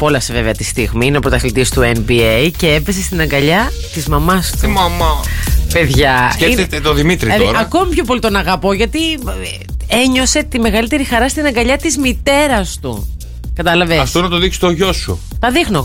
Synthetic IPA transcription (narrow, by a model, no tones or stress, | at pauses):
polɐfseveveɐt̪ist̪iɣmiineɐpot̪ɐθlit̪ist̪uenbiejce̞epe̞se̞st̪inɐŋɡɐʎɐt̪izmɐmɐst̪umɐmɐpe̞ðʝɐeet̪et̪oðimit̪ɾit̪ioɾɐko̞mipço̞po̞lit̪onɐɣɐpo̞ʝɐt̪i | e̞ɲo̞se̞t̪ime̞ɣɐlit̪e̞ɾixɐɾɐst̪inɐŋɡɐʎɐt̪izmit̪e̞ɾɐst̪ṵ | kɐt̪ɐlɐveɐft̪onɐt̪oðiksi̥t̪oʝo̞sṵ | t̪ɐðixno̞